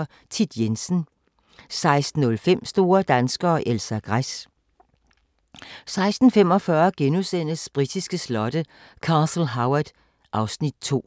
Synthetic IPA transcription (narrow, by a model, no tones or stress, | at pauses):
t͡sʰid̥jensn̩ | sɑ̈ɪsd̥n̩ːɔ̽lfem̰sd̥o̝ːɐd̥ænsɡ̥ɐːʔelsæɡ̥ʁas | sɑ̈ɪsd̥n̩fem̰ɒ̽fɶɐɡ̥enusen̰əsb̥ʁid̥isɡ̥əslɒ̽d̥əkʰɑ̈ːsl̩ɦaʊɐd̥ | ʔɑ̈ʊsnid̥̚t͡sʰo̝̰ː